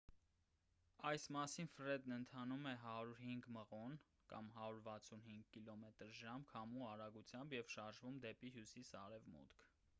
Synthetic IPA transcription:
ɑjsmɑsinfɾɛd̪nənt̪ʰɑnumɛɦɑɾuɾɦiŋɡməʁɔn | kɑ̰mɦɑɾuɾvɑt͡sʰunhiŋɡkilɔmɛt̪əɾʒɑmkʰɑmuɑɾɑɡut͡sʰjɑmbjɛvʃɑɾʒvumd̪ɛpiɦjusisɑ̰ɾɛvmṵt̪kʰ

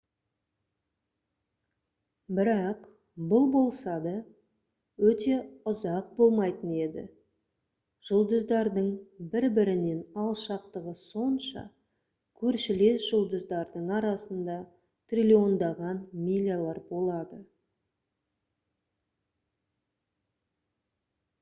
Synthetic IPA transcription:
bɪɾɑq | bʊlˠbo̞lˠsɑd̪ɑ | wɵt̪e̞ʊzɑqbo̞lˠmɑjt̪əne̞d̪ɪ̰ | ʒ̥ʊlˠd̪əzd̪ɑɾd̪əɴbɪɾbɪɾɪne̞nɑlˠʃɑqt̪əʁəso̞nʃɑ̰ | kʲʰɵɾʃɪle̞sʒ̥ʊlˠd̪əzd̪ɑɾd̪əɴɑɾɑsənd̪ɑ | t̪rʲilʲio̞nd̪ɑʁɑnmʲilʲijalˠɑɾbo̞lˠɑd̪ə

